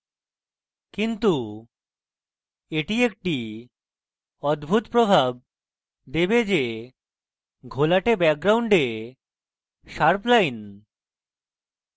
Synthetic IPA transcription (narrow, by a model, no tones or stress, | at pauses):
kint̪u | eʈiek̚ʈi | ɔd̪bʱut̪pɾobʱab̚ | d̪ebed͡ʑe | ɡʱolaʈebɛk̚ɡɾawɳɖe | ʃaɾplajn